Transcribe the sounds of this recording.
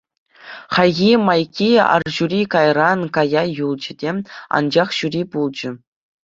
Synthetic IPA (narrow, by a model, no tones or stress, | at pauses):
χɑjɣʲimɑjkʲʰiɑ̰rʑuɾʲikɑjrɑnkɑjɑjulˠd͡ʑɘ̆dʲeɑ̰nd͡ʑɑχɕuɾʲipulˠd͡ʑɘ̆